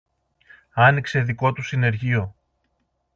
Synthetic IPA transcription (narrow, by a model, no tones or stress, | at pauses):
ɐnikse̞ðiko̞t̪usine̞ɾʝio̞